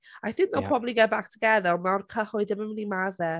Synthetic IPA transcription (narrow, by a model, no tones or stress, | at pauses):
ajθɪ̃ŋknɔpʰrɔblˠiɡɛbak̚tʰəɡɛðɛlˠmawrkʰəhʊɨðɪmənmɪnimaðɛ